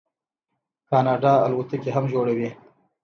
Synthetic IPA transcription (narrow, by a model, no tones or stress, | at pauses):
kaːnɑːɖaa̰lwut̪ikeɦamʒoɽawi